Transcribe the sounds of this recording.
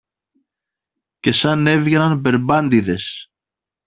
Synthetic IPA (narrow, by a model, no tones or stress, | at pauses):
ce̞sɐne̞vʝe̞nɐnpe̞ɾbɐnd̪iðe̞s